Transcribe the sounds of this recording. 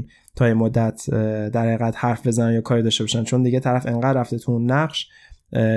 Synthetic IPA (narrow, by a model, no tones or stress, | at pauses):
n | t̪ʰɒːjemod̪ːæt̪ʰd̪æɾhæiɣæd̪̥hæɾfbe̞zænænjɒːkʰɒːɾiːd̪ɒːʃte̞bɒːʃænt͡ʃʰo̞nd̪iɟe̞t̪ʰæɾæfe̞ŋɢæd̪ɾræft̪et̪ʰuunːæɢʃ